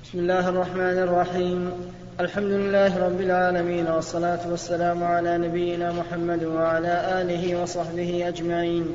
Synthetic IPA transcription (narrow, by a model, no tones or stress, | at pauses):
bɪsmɪlːaːɦʔɑrˤːɑħmaːnʔɑrˤːɑħiːm | ʔalħamd̪ʊlɪlːaːhɪɾˤɑbːɪlʕaːlamiːnwɑsˤːɑlaːt̪ʊwasːalaːmʊʕalaːnabɪjːɪnaːmʊħamːad̪waʕalaːʔaːlɪɦɪwɑsˤɑħbɪhɪʔad͡ʒmaʕiːn